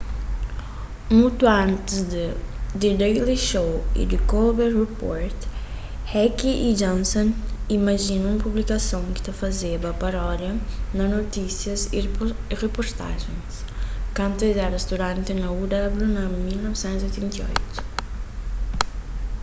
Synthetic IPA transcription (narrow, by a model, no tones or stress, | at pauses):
mut̪uãnt̪ɪzd̪d̪id̪ejliʃowḭd̪ɪkolbeɾrepɔ̰ɾt̪ | hɛkiʔid͡ʒɔ̃nsõnimɐʒinɐ̃ũmpublikɐsõwkɪ̥t̪ɐfɐzebɐpɐɾɔɾjɐnɐnot̪isjɐziirepoɾt̪a̰ʒẽj̃skɐ̃nt̪ed̪ɛɾɐst̪uɾãnt̪ɪnɐud̪ablunɐmilnɔvsɛ̃nt̪uziojt̪ẽnt̪io̰jt̪u̥